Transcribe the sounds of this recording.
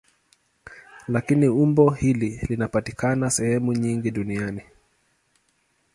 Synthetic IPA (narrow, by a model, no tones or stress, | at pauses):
lakiniumbɔhililinapatikanasɛhɛmuɲiŋɡiɗuniani